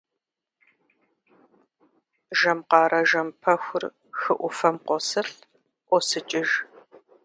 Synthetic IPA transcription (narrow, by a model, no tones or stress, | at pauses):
ʒɐmqɑːɾɐʒɐmpʰɐxʷʊr | xɨʔʷʊfɐmqʷɔsɨɬ | ʔʷɔsɨt͡ʃʼɪʒ